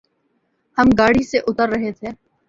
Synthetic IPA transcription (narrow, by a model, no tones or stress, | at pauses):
həmɡaːɽiseʔʊt̪əɾːəɦet̪ʰeː